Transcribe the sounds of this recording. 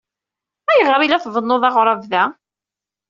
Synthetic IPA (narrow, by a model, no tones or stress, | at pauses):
æjəʁɾilæθvənːoðˤɑʁɾˤɑvðæ